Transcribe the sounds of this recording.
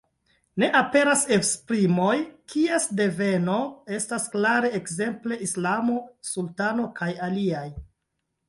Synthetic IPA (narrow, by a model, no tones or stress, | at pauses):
ne̞ʔape̞ɾase̞kspɾimo̞jkʰie̞sde̞ve̞no̞e̞stasklaɾe̞ːkze̞mple̞ʔislamo̞sultano̞kʰajaliaj